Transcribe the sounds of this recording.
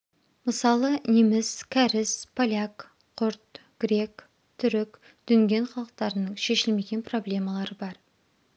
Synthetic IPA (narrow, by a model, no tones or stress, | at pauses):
məsɑlˠənimɪskʲʰæɾɪspʰolʲak | qʰʊɾt̪ɡ̥ɾʲe̞k | t̪ʰʏɾɪk | d̪̥ʏnɡʲe̞nχɑlˠəq̚t̪ɑɾənəɴʃe̞ʃɪlme̞ɡʲe̞npro̞blʲe̞mɑlˠɑɾəbɑɾ